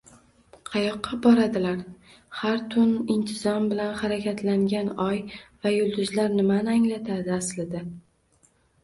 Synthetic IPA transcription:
qʰɑjɒqʰːɑbɒɾad̪ɪlaɾ | haɾt̪ʰʊnɪnt̪ʰɪzɒmbɪlanχaɾakʲʰat̪laŋɡʲanɒjvajʊlˠd̪ʊzlaɾnɪmanɪaŋlat̪ʰad̪ɪaslɪd̪ɪ

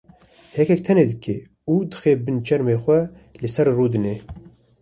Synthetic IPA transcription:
hɛkɛk̚t̪ʰɛneːd̪ɨkʰḛː | uːd̪ɨxeːbɨnt͡ʃʰɛɾmeːxʷɛ | lɨsɛɾruːd̪ɨneː

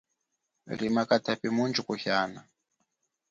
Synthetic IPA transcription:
ɾimakatʰapimund͡ʒukuhaːna

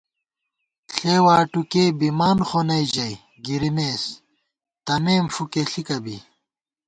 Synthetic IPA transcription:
ɬeːwaːʈukeːbimaːnχonɐjʑɐj | ɡiɾimeːs | t̪ɐmeːmfukeɬikɐbḭ

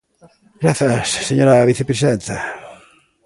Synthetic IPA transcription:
ɡɾaθjasːeɲoɾaβiθepɾesiðent̪a

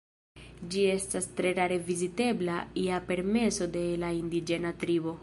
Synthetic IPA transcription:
d͡ʒie̞stastɾe̞ɾaɾe̞vizite̞blaiape̞ɾme̞so̞de̞laindid͡ʒe̞natɾibo̞

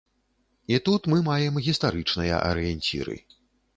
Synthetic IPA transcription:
it̪ut̪mɨmajɛmɣʲist̪aɾɨt͡ʂnɨjɐ̰ʔɐ̰ɾɨjɛnʲt͡sʲḭɾɨ̰

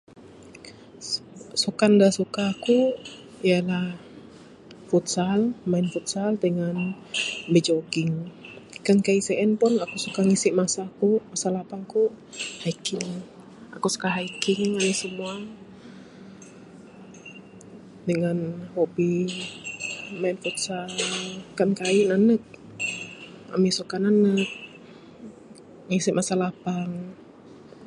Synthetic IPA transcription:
sukandasukaku | ialah | fut̪salmaɪnfut̪̚saldəŋan | bɛd͡ʒoɡɪŋkankaisɛʔɛnpʊnakusukaŋisiʔmasakumasalapaŋku | haikɪŋ | akusu̥kaɦaikiŋanisəmua | dəŋanhobi | manfut̪̚sa | kankainanək̚ | ʔa̰misukananək̚ | ŋisiʔmasalapaŋ

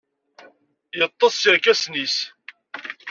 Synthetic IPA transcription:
jət̪ˤːɑsˤjəɾkæsnis

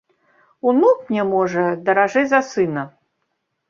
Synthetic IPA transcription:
unukmnʲɛmɔʐɐd̪ɐɾaʐɛzɐsɨnɐ

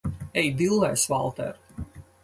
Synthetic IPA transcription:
ɛjd̪ilˠːɛjsvalˠt̪ɛ̰ɾ

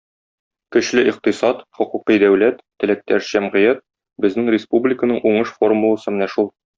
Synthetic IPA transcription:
kɵ̆ɕlɘʔiqt̪ɤsɑt̪χŏquqid̪æwlæt̪ːɘ̆læk̚t̪æɾʑ̥æmʁɘ̆jæt̪̚ | bɘ̆znɘŋrʲɪspublʲɪkənɤɴʔuɴɤʃfo̞rmulˠɤ̆sɤmɘ̆næʃulˠ

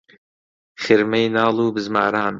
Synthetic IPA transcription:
χɪɾmejnaːlˠuːbɨzmaːɾaːn

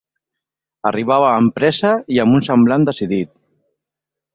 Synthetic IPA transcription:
əriβ̞aβaːmpɾɛzəiəmunsəmbland̪əsiðit̪̚

